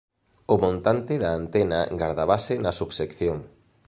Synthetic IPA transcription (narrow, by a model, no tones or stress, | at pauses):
ʊmõnt̪ant̪ɪðaːnt̪ɛna̰ɡaɾðaβasɪnɐsuβsekθjoŋ